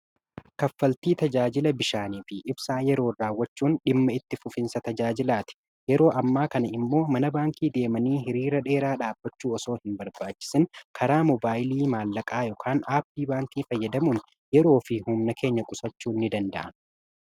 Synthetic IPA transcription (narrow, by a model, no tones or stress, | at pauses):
kɐfːɐlt̪iːt̪ɐd͡ʒaːd͡ʒɪlɐbɪʃaːniːfɪʔɪbsaːjɛɾo̞ːraːwːɐt͡ʃːuːnɗɪmːɐɪt̪ːɪfʊfɪnsɐt̪ɐd͡ʒaːd͡ʒɪlaːt̪ɪ̥ | jɛɾo̞ːʔɐmːaːkɐnɐɪmːo̞ːmɐnɐbaːŋkiːd̪e̞ːmɐniːɦɪɾiːɾɐᶑe̞ːɾaːᶑaːbːɐt͡ʃːuːɔso̞ːhɪmbɐɾbaːt͡ʃːɪ̥sɪnkʰɐɾaːmɔbaːjliːmaːlːɐkʼaːjɔkʰaːnaːpːiːbaːŋkiːfɐjːɐd̪ɐmuːn | jɛɾo̞ːfɪhʊmnɐkʰe̞ːɲːɐkʼʊsɐt͡ʃːuːnːɪd̪ɐnd̪ɐ̰ʔɐn